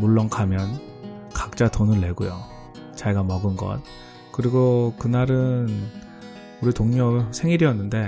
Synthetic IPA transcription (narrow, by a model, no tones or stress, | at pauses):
muɭːʌŋkʰamjʌn | kḁk̚t͡ɕ͈atonɯɭːe̞ɡojo | t͡ɕaiɡamʌɡɯnɡʌ̰t̚ | kɯɾiɡokɯnaɾɯn | uɾitoŋɲʌbɭsʰe̞ŋiɾiʌnːɯnde̞